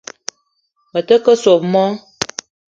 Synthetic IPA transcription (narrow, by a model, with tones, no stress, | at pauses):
mə˨tə˦kə˦so˨pmɔ˦